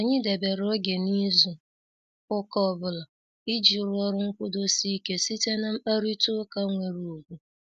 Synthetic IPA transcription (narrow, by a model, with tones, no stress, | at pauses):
a˨ɲɪ˦de˨be˨ɾo˦ɡe˨ni˦zu˨ | ʊ˦kɔ˦˨bʊ˦la˨ | i˦d͡ʒi˨ɾʊ˦ɔ˦ɾʊ˦ŋ̩˦kʷʊ˦do˦si˦ke˦si˦te˦na˦a˦ɾi˦tʊ˦ka˦ŋʷe˨ɾu˨u˨ɡʷu˨